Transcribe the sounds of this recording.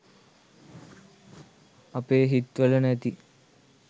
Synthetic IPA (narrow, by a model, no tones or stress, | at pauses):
ɐpeːɦit̪ʋələnæt̪i